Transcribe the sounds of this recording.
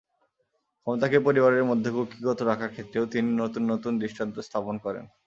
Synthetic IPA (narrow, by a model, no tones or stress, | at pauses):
kʰɔmot̪akepoɾibaɾeɾmod̪ʱːekokiɡɔt̪oɾakʰaɾkʰet̪ːɾeot̪ininot̪unːot̪und̪ɾiʃʈʰant̪ost̪ʰaponkɔɾḛn